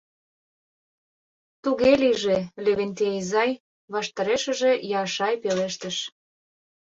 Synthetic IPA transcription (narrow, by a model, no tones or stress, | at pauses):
t̪uɣeliʒeleβent̪ejzɑj | βɑʃt̪ɑɾeʃə̆ʒejɑʃɑjpeleʃt̪əʃ